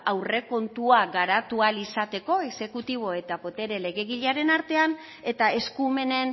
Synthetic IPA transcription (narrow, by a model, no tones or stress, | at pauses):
awre̞ko̞nt̪uaɡaɾat̪ualisat̪e̞ko̞e̞se̞kut̪iβ̞o̞e̞t̪apo̞t̪e̞ɾe̞le̞ɣe̞ɣ̞iʎaɾe̞naɾt̪e̞an | e̞t̪ae̞skume̞ne̞n